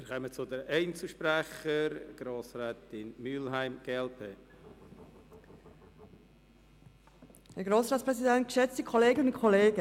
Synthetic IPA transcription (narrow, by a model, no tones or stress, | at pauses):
ɪːɾkœmət͡sʊd̪əɾɛɪnt͡səʃpɾæχəɾɡ̥ɾoːsɾɛːtɪnmyːlɦæɪmɡ̥elpʰe | hæɾɡɾoːsɾaːtspɾɛsidɛnt̚ɡ̥ʃɛt͡stəkʰɔleːɡənʊnkʰɔleːɡ̥ə